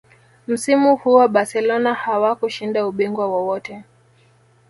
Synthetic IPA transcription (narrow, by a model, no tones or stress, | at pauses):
m̩simuhuwaɓasɛlɔnahawakuʃindauɓiŋɡwawɔwɔtɛ